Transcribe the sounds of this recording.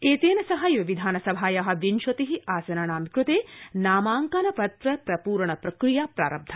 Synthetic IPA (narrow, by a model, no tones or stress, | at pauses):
eːt̪eːnɐsɐɦɐjʋɐʋid̪ʱaːnɐsɐbʱaːjaɦɐ̆ʋinʃɐt̪iɦiaːsɐnaːɳaːmkɾut̪eːnaːmaːŋkanɐpɐt̪ɾɐpɾɐpuːɾɐɳɐpɾɐkɾijaːpɾa̰ːɾɐb̚d̪ʱɐ